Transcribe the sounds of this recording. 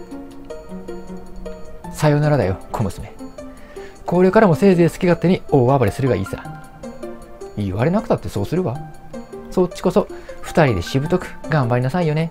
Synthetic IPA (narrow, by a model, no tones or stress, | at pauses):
sajo̞naɾad̪ajo̞kʰomɯ̟sɨme̞ | ko̞ːɾe̞kaɾamo̞se̞ːze̞ːsɨ̥kʲiɡat̪ːeɲ̟io̞ːabaɾʲisɨɾɯɡaḭːsa̰ | iːβaɾe̞nakɯ̟t̪at̪ːe̞so̞ːsɨɾɯ̟βa | so̞t͡ɕːi̥ko̞so̞ɸɯ̟̥t̪aɾʲid̪e̞ɕibɯ̟t̪o̞kɯ̟̥ɡãmbaɾʲinasaijo̞ne̞